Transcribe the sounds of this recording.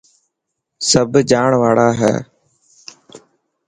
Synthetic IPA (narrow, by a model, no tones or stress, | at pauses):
səbʱd͡ʒaːɳʋaːɽaːɦɛ̰ː